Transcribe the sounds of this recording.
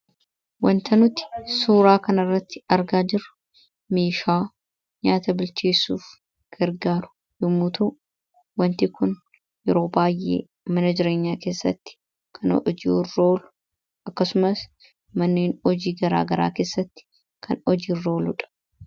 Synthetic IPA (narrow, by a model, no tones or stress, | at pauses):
wɐnt̪ʰɐnʊt̪ɪ̥suːɾaːkɐnɐrːɐt̪ːɪ̥ɐɾɡaːd͡ʒɪɾʊ̥ | meːʃaː | ɲaːt̪ɐbɪlt͡ʃeːsːuːf | ɡ̥ɐɾɡaːɾʊ̥ | jʊmːut̪uː | wɐnt̪ɪkʊn | jɛɾo̞ːbaːjʔḛː | mɐnɐd͡ʒɪɾe̞ːɲːaːke̞ːsːɐ̰t̪ːɪ̥ | kʰɐn̰d͡ʒiːrːo̞ːlʊ̥ | ʔɐkːɐsʊmɐs | mɐnːeːnɔd͡ʒiːɡɐɾa̰ːɡɐɾa̰ːke̞ːsːɐt̪ːɪ̥ | kʰɐ̰nɔd͡ʒiːrːo̞ːlʊᶑɐ̥